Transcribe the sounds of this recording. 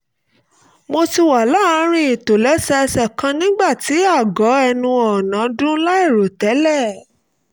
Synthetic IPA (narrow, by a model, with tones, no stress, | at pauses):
mo˧ti˧wa˨la˦a˦ɾ̃ĩ˦i˨to˨lɛ˨˦sɛ˧ɛ˧sɛ˦˨kã˧nĩ˦ɡ͡ba˦˨ti˨˦a˦˨ɡɔ˨˦ɛ˧nũ˧ɔ˨nã˨˦dũ˦la˦i˦˨ɾo˨tɛ˨˦lɛ˦˨